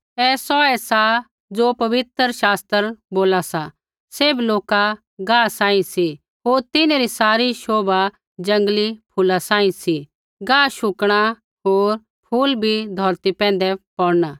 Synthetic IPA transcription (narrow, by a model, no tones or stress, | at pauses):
ɛːsɔɛsa | d͡ʒoːpɐʋɪt̪əɾʃaːst̪əɾboːlasa | seːbloːka | ɡãːsãːĩsi | ɦoːɾt̪ɪneɾisaːɾiʃoːba | d͡ʒɐ̃ŋɡlipʰʊlasãːĩsi | ɡãːʃʊkɽ̃a | ɦoːɾ | pʰuːlbʱid̪ʱɔːɾt̪ipɛ̃ːn̆d̪ɛpɔːɽnaː